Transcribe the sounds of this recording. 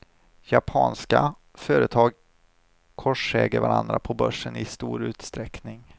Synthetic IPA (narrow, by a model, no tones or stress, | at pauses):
japʰɑːnska | fœːɾət̪ʰɑːɡ | kʰɔʂɛːɡəɾvaɾand̪ɾapʰɔbœʂːənɪst̪uːɾʉ̟ːt̪st̪ɾɛknɪŋ